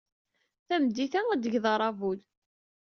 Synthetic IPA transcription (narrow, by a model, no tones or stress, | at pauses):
θæmd̪iθææd̪əʝðɑɾˤɑvul